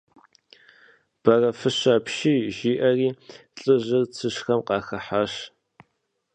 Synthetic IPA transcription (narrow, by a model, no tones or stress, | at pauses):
b̥ɐrɐfɨɕaːpʃiːʒiːʔɐriːɬʼɨʑɨrt͡sʰɨʃxɐmqɑːxɐħaɕ